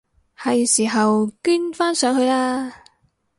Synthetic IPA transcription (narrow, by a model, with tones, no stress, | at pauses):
hɐ˨jsiː˨˩ɦɐ˨wkɪ˥ŋfaː˥nsœː˨˥ŋhɵ˧ɥlaː˥